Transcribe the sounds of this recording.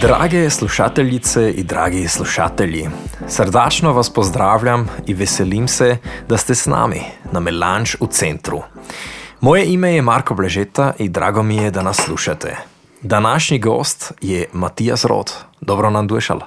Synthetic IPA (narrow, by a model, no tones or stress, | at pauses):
d̪ɾa̰ːɡɛsluʃa̰ːt̪ɛlit̪sɛid̪ɾa̰ːɡisluʃa̰ːt̪ɛljisəɾd̪aːt͡ʃnɔʋaspɔzd̪ɾaːwlʲjamiʋɛsɛlimsɛd̪ast̪ɛsna̰ːmḭnamɛlant͡ʃut̪sɛnt̪ɾṵ | mɔːjɛimɛjɛmaːɾkɔblɛʒet̪aʔid̪ɾa̰ːɡɔmijɛd̪anasːluːʃat̪ʰɛ̰ | d̪anaːʃɲiɡɔ̰ːst̪jɛmat̪ijasɾo̰ːt̪d̪ɔbɾɔnand̪ujɛʃa̰l